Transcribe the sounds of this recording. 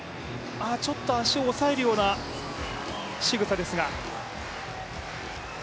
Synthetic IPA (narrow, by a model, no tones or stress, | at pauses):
at͡ɕo̞t̪ːo̞aɕioːsae̞ɾɯ̟jo̞ːna | ɕiɡɯ̟t̪ad̪e̞sɨɡa